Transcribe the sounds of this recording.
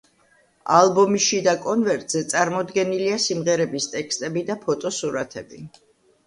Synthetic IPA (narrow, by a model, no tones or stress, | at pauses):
alˠbɔmiʃid̪akʼɔnvɛɾt̪ʼz̥ɛt̪sʼaɾmɔd̪ɡɛniliasimʁɛɾɛbist̪ʼɛkʰst̪ʼɛbid̪apʰɔt̪ʼɔsuɾat̪ʰɛbi